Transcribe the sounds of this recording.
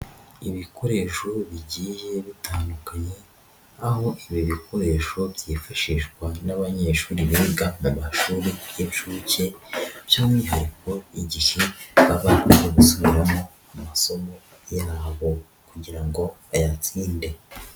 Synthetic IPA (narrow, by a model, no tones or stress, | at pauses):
iβikʰo̞ɾe̞ʃoβiɟiʒe̞βitaːndukaɲe̞ | aho̞ʔiβjoβikʰo̞ɾe̞ʃoβjifaʃiʒɡwanaβaɲe̞ːʃuːɾiβeːɡamumaʃuːɾijeβʃuce̞jaːmiiɦaɾiko̞iɟiʃeβaβakuzeɡusoβiɾamo̞ | amaso̞mo̞ | jaβo | kuɟiɾaŋɡo̞ | ajat͡siːnde̞